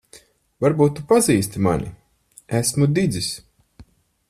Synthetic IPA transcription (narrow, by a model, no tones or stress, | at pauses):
vaɾbuːt̪ːupaziːst̪ima̰nḭ | æsmud̪id̪zis